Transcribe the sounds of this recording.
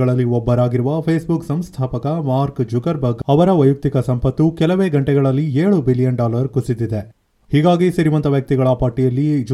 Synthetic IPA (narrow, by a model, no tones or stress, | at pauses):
ɐɭɐlːiɔbːɐɾaːɡiɾuʋɐpʰeːsbuksɐmst̪ʰaːpɐkɐmaːɾkd͡ʒuɡɐɾbɐɡɐʋɐɾɐʋɐjuk̚t̪ikɐsɐmpɐt̪ːukɛlɐʋeːɡɐɳʈɛɡɐɭɐlːieːɭubilijɐnɖaːlɐɾkusid̪id̪e | hiːɡaːɡisɐɾiʋɐnt̪ɐʋjɐk̚t̪iɡɐɭɐpaːɾʈijɐlːid͡ʒ